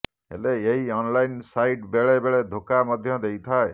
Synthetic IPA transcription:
ḛleeɦiɔnlajnsajʈbeɭebeɭed̪ʱokamɔd̪ʱjɔd̪ejt̪ʰae

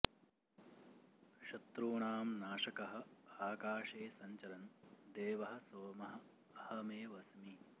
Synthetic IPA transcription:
ʃɐt̪ɾuːɳaːmnaːʂɐkɐɦɐ̆aːkaːʂeːsɐɲt͡ʃɐlɐnd̪eːʋɐɦɐ̆soːmɐɦɐ̆ | ɐhɐmeːʋɐsmi

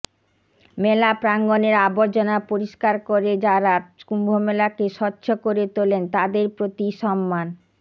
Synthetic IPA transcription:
melapɾaŋɡoneɾaboɾd͡ʑonapoɾiʃkaɾkoɾed͡ʑaɾakumbʱomelakeʃɔtːɕʰokoɾet̪olent̪ad̪eɾpɾot̪iʃɔmːan

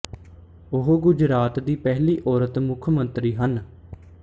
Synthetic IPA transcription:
oɦɡʊd͡ʒɾaːt̪d̪iːpɛɦliːʔɔːɾət̪mʊkʰmənt̪ɾiːɦən

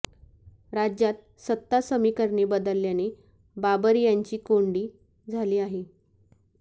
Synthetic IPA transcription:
ɾad͡ʑjat̪̚ | sət̪ːasəmiːkəɾɳebəd̪əlːjane | babəɾjaɲt͡ɕiːkoɳɖiː | d͡zʱaliːaɦe

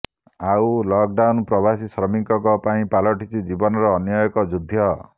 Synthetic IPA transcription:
awlɔk̚ɖawnpɾɔbasisɾɔmiŋkɔkɔpaĩpalɔʈit͡ʃʰid͡ʒibɔnɔɾɔːnjɔjɔkɔd͡ʒud̪ʱːjɔ

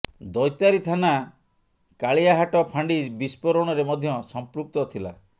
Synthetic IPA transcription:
d̪ɔjt̪aɾit̪ʰana | kaɭijaɦaʈɔpʰaɳɖid͡ʒbispɔɾɔɽ̃ɔɾemɔd̪ʱjɔsɔmpɾuk̚t̪ɔt̪ʰila̰

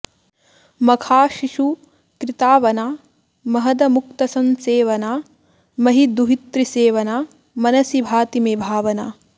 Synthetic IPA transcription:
mɐkʰaːʃiʂu | kɾit̪aːʋɐnaː | mɐɦɐd̪ɐmuk̚t̪ɐsɐnseːʋɐnaː | mɐɦid̪uɦit̪ɾiseːʋɐnaː | mɐnɐsibʱaːt̪imeːbʱaːʋɐna̰ː

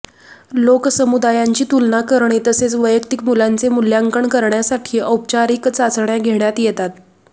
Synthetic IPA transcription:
loksəmud̪ajaɲt͡ɕiːt̪ulnakəɾɳet̪əset͡sʋəjəkt̪ikmulant͡semuljaŋkəɳkəɾɳjasaʈʰiːʔəwp̚t͡ɕaɾiːkt͡sat͡sɳjaɡʱeɳjat̪jɛt̪at̪

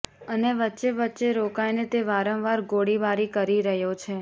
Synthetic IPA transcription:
əneʋətːʃeʋətːʃeɾokajnet̪eʋaɾə̃ʋʋaɾɡoɽibaɾikəɾiɾəɦjot͡ʃʰe

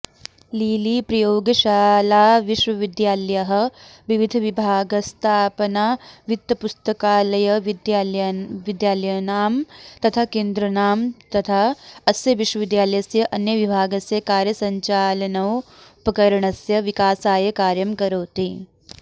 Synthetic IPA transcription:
liːliːpɾɐjoːɡɐʃaːlaːʋiʃʋɐʋid̪jaːljɐɦɐ̆ʋiʋid̪ʱɐʋibʱaːɡɐst̪ʰaːpɐnaːʋit̪ːɐpust̪ɐkaːlɐjɐ | ʋid̪jaːlɐjɐnaːmt̪ɐt̪ʰaːkeːnd̪ɾɐnaːmt̪ɐt̪ʰaɐsjɐʋiʃwɐʋid̪jaːlɐjɐsjɐʔɐnjɐʋibʱaːɡɐsjɐkaːɾjɐsɐɲt͡ʃaːlɐnɐpɐkɐɾɐɳɐsjɐʋikaːsaːjɐkaːɾjɐmkɐɾoːt̪iː

